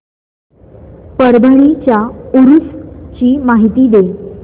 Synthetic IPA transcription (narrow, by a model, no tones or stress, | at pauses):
pəɾbʱəɭit͡ɕjauɾust͡ɕiːmaɦit̪iːd̪e